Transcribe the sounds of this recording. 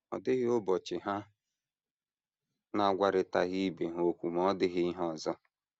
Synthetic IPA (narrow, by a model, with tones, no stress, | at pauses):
ɔ̰˨dɪ˦ɣɪ˦o˦bɔ˨t͡ʃɪ˨ɦa˦ | na˨a˨ɡʷa˨ɾɪ˨ta˨ɣi˦be˨ɦo˦kʷu˨m˦ɔ˦dɪ˦ɣɪ˦i˦ɦɔ˦˨zɔ˦